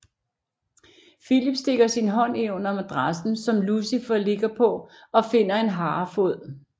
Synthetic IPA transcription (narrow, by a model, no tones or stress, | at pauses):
filib̥sd̥e̝ɡ̥ɐsinɦɒ̽n̰eonɐmæd̥ʁasn̩sɒ̽mlusifɒle̝ɡ̥ɐpʰɒ̽ɒ̽fe̝n̰ɐe̝nɦɑ̈ːfo̝ð̰ˠ